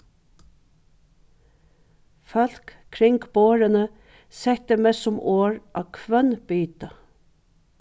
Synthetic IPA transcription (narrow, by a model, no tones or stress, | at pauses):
fœl̥k | kʰɾɪŋɡboːɹənə | sɛt̪əmesʊmʔoːɹʔɑ̰ːkʰʋœnb̥yːt̪ɑ